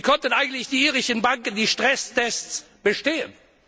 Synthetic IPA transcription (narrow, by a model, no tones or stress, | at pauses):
ikʰɔntən̩ʔaɪɡŋ̩tlɪçd̥iːiːʁɪʃənbaŋkəndiːʃtʁ̥ɛstɛst͡s | b̥əʃteːən